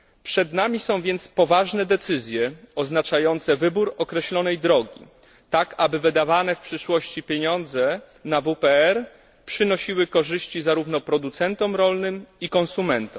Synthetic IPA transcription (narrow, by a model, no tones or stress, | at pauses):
pʂɛd̪namʲisɔ̃w̃vʲjɛnt̪spɔvaʐnɛd̪ɛt̪sɘzʲjɛɔznat͡ʂajɔnt̪sɛvɘbuɾɔkɾɛɕlɔnɛjd̪ɾɔɡʲḭ | t̪akabɘvɘd̪avanɛfpʂɘʂwɔɕt͡ɕipʲjeɲɔnd̪zɛ | navupɛɛɾ | pʂɘnɔɕiwɘkɔʐɘɕt͡ɕizaɾuvnɔpɾɔd̪ut̪sɛnt̪ɔmɾɔlnɘmikɔ̃nsumɛnt̪ɔm